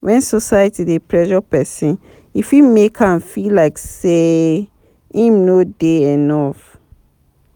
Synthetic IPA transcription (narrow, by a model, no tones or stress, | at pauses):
wʔɛ̃nsɔsajətidepʰɹɛʃɔpɛsĩn | ifwimekʰãnfilaɪkse | ĩmnodeɛnɔf